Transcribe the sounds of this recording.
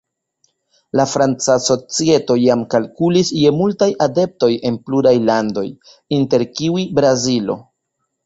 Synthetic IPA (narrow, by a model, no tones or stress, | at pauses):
lafɾant͡saso̞t͡sie̞to̞jamkalkulisje̞multajʔade̞p̚to̞je̞npluɾajlando̞̰j | inte̞ɾkiuibɾazilo̞̰